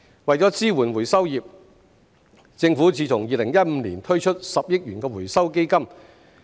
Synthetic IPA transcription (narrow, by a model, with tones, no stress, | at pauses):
wɐ˨jt͡sɔː˨˥t͡siː˥wuː˨˩nwu˨˩jsɐ˥wjiː˨˩p̚ | t͡sɪ˧ŋfu˨˥t͡sʰiː˧˩t͡sʰʊ˨˩ŋjiː˨lɪ˨˩ŋjɐ˥t̚m̩˧niː˨˩nt̪ʰɵ˥ɥt͡ʃʰɵ˥t̚sɐ˨p̚jɪ˥k̚ɥyː˨˩nkɛː˧wu˨˩jsɐ˥wke˥jkɐ˥m